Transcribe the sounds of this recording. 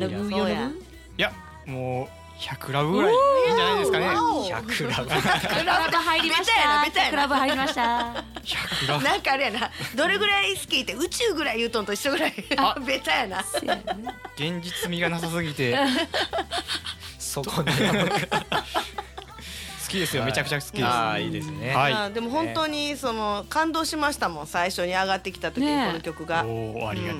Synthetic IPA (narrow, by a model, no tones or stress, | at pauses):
ɾaoa | ja | moː | çakɯ̟ɾaβɯɡɯ̟ɾaiẽd͡ʒanaid̪eskaneakɾkɯɾabɯt̪aiɾibeajaabet͡sajaɾabɯaimaaçakɯɾnãŋkaːɾɯjanad̪o̞ɾe̞ɡɯ̟ɾaisɨ̥kʲiːt̪eɯ̟t͡ɕɨːɡɯ̟ɾaijɯ̟ːt̪õnt̪oitːoɡɯ̟ɾaibe̞t͡sajana | ɡ̥ẽ̞ɲ̟d͡ʑit͡sɨmʲiɡanas̬asɨɡʲit̪e̞ | so | sɨ̥kʲid̪e̞sɨjome̞t͡ɕakɯ̟t͡ɕasɨ̥kʲid̪eiːd̪esɨnead̪e̞mo̞ɦõ̞nt̪o̞ɲ̟iso̞no̞kãnd̪o̞ːɕimaɕi̥t̪amõ̞ñsaiɕo̞ɲ̟iaɡat̪ːe̞kʲi̥t̪at̪okionokʲo̞kɯ̟ɡaiɯ̟̃ɴ